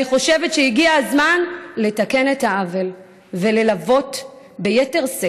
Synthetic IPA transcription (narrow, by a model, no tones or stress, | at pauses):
iχo̞ʃe̞vetʃejiɡiaazmanle̞take̞ne̞thaave̞l | ve̞le̞lavo̞t | bejete̞ʁse